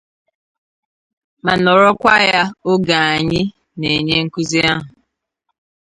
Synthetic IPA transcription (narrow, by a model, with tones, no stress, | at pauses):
ma˨nɔ˨ɾɔ˦kʷa˦ja˦o˦ɡa˨a˨ɲɪ˦ | ne˨ɲe˦ŋ̩˦ku˦zi˦a˦ɦʊ˨